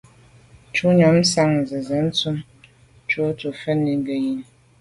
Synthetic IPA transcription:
t͡ʃu˦ɲɔ˨˦m˦sa˦˨ŋ˨zə˨zə˨˦n̩˦t͡su˦m | t͡ʃu˦tu˨fə˦ni˨˦ŋ˦ɡə˨ji˨n

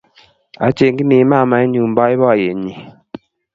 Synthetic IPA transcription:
a̰˨t͡ʃe˨ŋ˦ɡi˦ne˨˦ma˦˨ma˨˦i˦ndu˨m̩˨bɔ˦i˦bɔ˦˨je˨ɲi˨

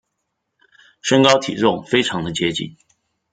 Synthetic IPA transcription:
ʂə˥ŋkɑ˥ʊt̪ʰḭ˨˩ʈ͡ʂʊ˥˩ŋfe˥ɪʈ͡ʂʰɑ˧˥ŋd̪ə˧t͡ɕjɛ˥t͡ɕḭ˨˩n

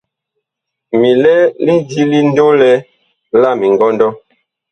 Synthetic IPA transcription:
mi˨lɛ˦li˦di˦li˦n˦do˦lɛ˦ | la˦˨mi˨ŋɡɔ˦ndɔ˦

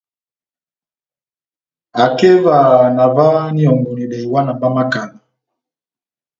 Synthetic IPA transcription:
a˨kɛ˦va˨na˨va˦ni˦ɔ˨ŋɡu˨ni˨ɗɛ˨i˨wa˦na˨ba˦ma˦ka˨la˨

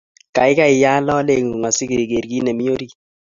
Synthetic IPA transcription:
ka˨ɪ˦ka˦ɪ˨ja˦lɔ˦le˦˨ŋu˨ŋa˨si˦ki˨ɾi˨ɡe˨ɾɡi˦nɛ˨mi˦o˦ɾi˦ki˦

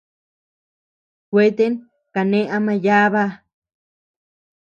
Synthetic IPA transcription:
kʷe˦t̪e˦n | ka˨nẽ˦ʔa˧mã˧ja˦βa˦

